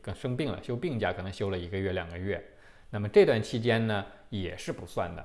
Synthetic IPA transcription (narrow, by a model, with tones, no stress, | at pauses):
kɤ˥˩ʂɤ˥ŋpi˥˩ŋlə̰˩ɕjo˥ʊpi˥˩ŋt͡ɕja̰˥˩kʰɤ˨˩nɤ˧˥ŋɕjo˥ʊlə˨i˧˥ɡə˧ɥɛ˥˩ljɑ̰˨˩ŋɡə˦ɥɛ˥˩ | na˥˩mə˩ʈ͡ʂɤ˥˧t̪wa˥˩nt͡ɕʰi˥t͡ɕjɛ˥nnə˨ | jɛ˨˩ʂɻ̩˥˩pu˧˥swa̰˥˩nd̪ə̰˩